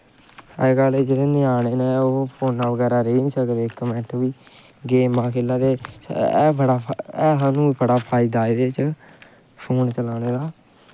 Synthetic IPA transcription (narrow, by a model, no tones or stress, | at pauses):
əɡaːleːd͡ʒeːɽeːnɪaːneːneːoːpʰoːnːaːʋəɡɛːɾaːɾeːniːsəkd̪eːkːəmɛ̃ʈʋiː | ɡeːmãːkʰeːlaːt̪eː | bəɽaːɛːsaːnũːiːbəɽaːpʰaːɪːd̪aːiːd̪eːt͡ʃ | pʰoːnt͡ʃəlaːneːd̪aː